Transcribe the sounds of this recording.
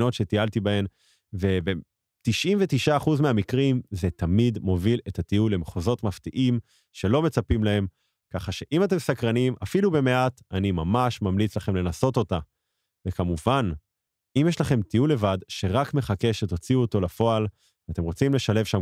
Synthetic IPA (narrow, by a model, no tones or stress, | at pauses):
no̞tʃe̞tialtibae̞m | ve̞be | tiʃʔimvetiʃaːχuzmeamikʁimzetamidmo̞vile̞tatiulemχozo̞tmaftiʔim | ʃe̞lo̞me̞t͡sapimlae̞m | kaχaʃe̞ʔimat̬e̞msakʁanimafilubeme̞ʔatanimamaʃmamlit͡slaχe̞mle̞naso̞to̞ta | vekamuvan | imjeʃlaχe̞mtiulːe̞vadʃe̞ʁakme̞χake̞ʃeto̞t͡siuoto̞lafo̞al | vat̪e̞mʁo̞t͡simle̞ʃale̞vʃam